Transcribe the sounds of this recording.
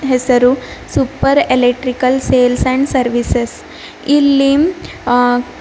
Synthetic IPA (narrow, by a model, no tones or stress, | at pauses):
ɦesɐɾusupəɾelek̚ʈɾikəlseːlsɛ̃ɳɖsɐɾʋises | ilːim